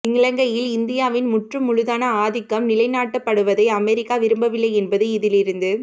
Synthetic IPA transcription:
ɪŋɡɪɭɐŋɡɐjɪlɪnd̪ɪjaːʋɪnmʊʈrɯmːʊɻʊðaːnɐaːðɪkːɐmnɪlɐɪnaːʈːɐpːɐɽɯʋɐðɐɪɐmɛɾɪkːaːʋɪɾɯmbɐʋɪlːɐɪɛnbɐðɯɪðɪlɪɾɯnd̪ɯ

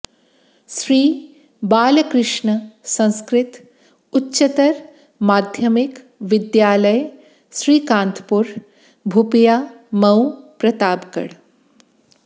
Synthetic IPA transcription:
ʃɾiː | baːlɐkɾɪʂɳɐsɐ̃nskɾɪt̪ | utːʃɐt̪ɐɾ | maːd̪ʱjɐmik | ʋɪd̪jaːlɐj | ʃɾiːkãːnt̪ʰpuɾ | bʱupijaː | mɐwpɾɐt̪aːbkɐ̰ɽ

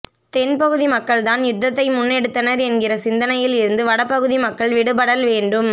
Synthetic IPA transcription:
t̪ɛnpɐɣɯðimɐkːɐɭt̪aːnjʊd̪ːɐt̪ːɐɪmʊnːɛɽɯt̪ːɐnɐɾɛnɡɪrɐsɪnd̪ɐnɐjɪlɪɾɯnd̪ɯʋɐɽɐpːɐɣɯðimɐkːɐɭʋɪɽɯpɐɽɐlʋeːɳɖɯm

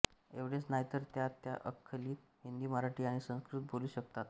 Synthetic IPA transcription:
eʋɽet͡snaɦjt̪əɾt̪jat̪ja̰ʔəkʰːəliːt̪ | ɦind̪iːməɾaʈiːaɽ̃isə̃skɾut̪̚bʱoluːɕək̚t̪at̪

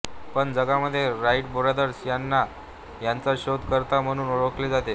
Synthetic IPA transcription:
pəɳd͡zəɡaməd̪ʱːjeɾaiʈboɾad̪əɾsjanːa | jant͡saɕod̪kəɾt̪am̤əɽ̃uːnoɽokled͡zat̪e

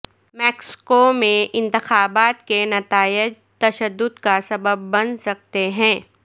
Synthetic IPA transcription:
mɛːksɪ̥komẽʔɪ̃nt̪ɪxaːbaːt̪kenɐt̪aːɪd͡ʒ | t̪ɐʃəd̪ːʊd̪kasɐbəbːɐnsɐk̚t̪eɦɛ̃ː

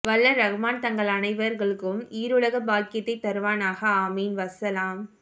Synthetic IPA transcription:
ʋɐlːɐɾɐɣɐmaːnt̪ɐŋɡɐɭɐnɐɪʋɐɾɣɐɭɯkːɯmiːɾɯɭɐɣɐbaːlkɪjɐt̪ːɐɪt̪ːɐɾʋaːnaːɣɐaːmiːnʋɐsɐlaːm

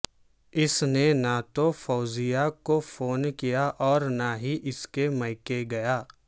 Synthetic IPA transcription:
ɪsnenat̪ofɔːzɪjakofoːnkijaʔɔːɾnaɦiʔɪskemɐɪkeɡɐjaː

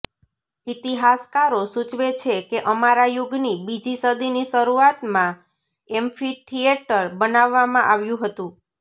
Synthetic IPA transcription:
it̪iɦaskaɾosut͡ʃʋet͡ʃʰekeʔəmaɾajʊɡnibid͡ʒisəd̪iniʃəɾuat̪mã | ɛmfiʈʰieʈəɾbənaʋːamãʔaʋjũɦət̪ũ

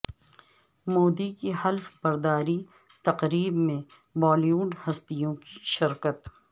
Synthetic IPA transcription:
moːd̪ikihɐlfbɐɾd̪aːɾi | t̪ɐqɾiːbmẽ | bɔːljuːɖhɐst̪ijõkiʃɪɾkət̪

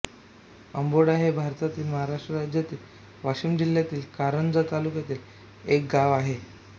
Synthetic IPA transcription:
əmboɽaɦebʱaɾt̪at̪iːlməɦaɾaʂʈɾəɾad͡ʑjat̪iːl | ʋaɕimd͡ʑiljat̪iːlkaɾəɳd͡zat̪alukjat̪iːl | ek̚ɡaʋaɦe

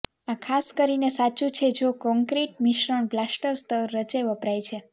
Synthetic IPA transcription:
ãkʰaskəɾinesat͡ʃũt͡ʃʰed͡ʒokɔŋkɾiʈmiʃɾəɳ̃blasʈəɾst̪ʰəɾːət͡ʃeʋəpɾajt͡ʃʰe

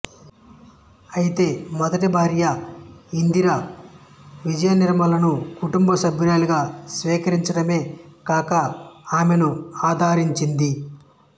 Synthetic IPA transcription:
ɐjit̪e̞ːmɔd̪ɐʈibʱaːɾjɐind̪iɾɐ | ʋid͡ʒɐjɐniɾmɐlɐnukuʈumbɐsɐbʱjuɾaːliɡaːsʋiːkɐɾiɲt͡ʃɐɽɐme̞ːkaːkɐaːme̞nuaːd̪ʱaːɾiɲt͡ʃind̪i

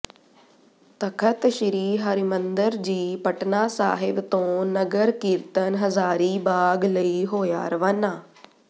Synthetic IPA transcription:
t̪əkʰət̪ʃɪɾiːɦəɾimənd̪əɾd͡ʒiːpəʈnaːsa̰ːɦɪbt̪õːnəɡəɾkiɾt̪ənɦəzaːɾiːbaːɡləiɦoːja̰ːɾʋaːnaː

